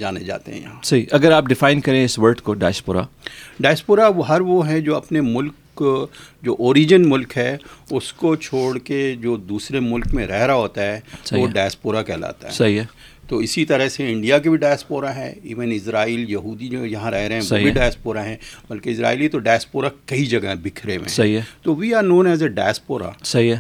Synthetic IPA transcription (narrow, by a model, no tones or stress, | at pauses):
d͡ʒaːned͡ʒa̰ːt̪ḛɦɛ̰̃jɐ̰ɦãːsɐɦiʔɐɡəɾaːp̚ɖɪfaːɪnkɐɾẽɪsʋɐɾɖkoɖa̰ːjspoːɾa̰ɖaːspoːɾaʋɦɐɾʋoɦɛd͡ʒoːɐpnemʊlk | d͡ʒoːʔoːɾiːd͡ʒənmʊlkɦɛːʊskot͡ʃʰoːɽked͡ʒoːd̪uːsɾemʊlkmẽɾɛɦɾaɦoːt̪aɦɛːsoɖaːspoːɾakɛːla̰ːt̪a̰ɦɛɐɦiɛ | t̪oɪsit̪ɐɾəɦseɪ̃ɳɖijak̬ebʱiɖaːspoːɾaɦɛ̰ːḭːʋənɪsɾaːiːljɐɦuːd̪id͡ʒojɐɦãɾɛɦɾeɦɛ̃ʋobʱiɖaːspoːɾaɦɛ̃bɐlkeɪsɾa̰ːiːlet̪oɖaːspoːɾakɐid͡ʒɐɡaɦɛ̃bɪkʰɾemḛ̃ɐɦit̪oʋijanõːnɦɛːzeɖa̰ːspoːɾa̰sɐɦiɛ